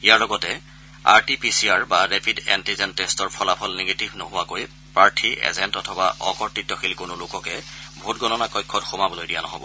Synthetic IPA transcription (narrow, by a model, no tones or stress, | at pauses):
ijaɹlɔɡɔtɛ | a̰ɹtipisiaɹbaɹepʰidɛ̰ntizɛnːestɔɹpʰɔlapʰɔlneɡetibʱnoɦʊwakoj | pɹaɹtʰiḛzɛntɔtʰɔbaʔɔkɔɹtɹitːɔxilkʊnʊlʊkɔkɛbʱutɡɔnɔnakɔjkʰːɔtxomabolojdijanɔ̰ɦɔ̰bɔ̰